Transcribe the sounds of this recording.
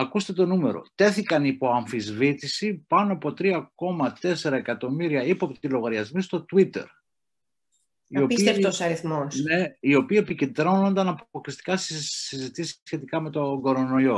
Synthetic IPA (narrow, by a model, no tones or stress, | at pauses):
ɐkust̪e̞t̪o̞nume̞̰ɾo̰t̪e̞θikɐnipo̞ɐɱfizvit̪isipɐnoɐpo̞t̪ɾiɐko̞mɐt̪e̞se̞ɾɐe̞kɐt̪o̞miɾiɐipoɐpot̪ilo̞ɣɐɾʝɐzmist̪o̞t̪wit̪e̞̰ɾ | io̞piseft̪osɐɾiθmosne̞io̞piːe̞piced̪ɾo̞nond̪ɐnɐpoklist̪i̥kɐsizit̪isi̥sçe̞t̪ikɐme̞t̪o̞ŋɡo̞ɾo̞no̞jo̞